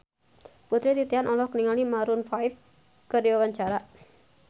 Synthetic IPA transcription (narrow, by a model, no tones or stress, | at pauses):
put̪ɾit̪it̪ianʔɔlɔhkəniŋalimaɾunfajf | kərd͡ʒawaɲt͡ʃaɾaʔ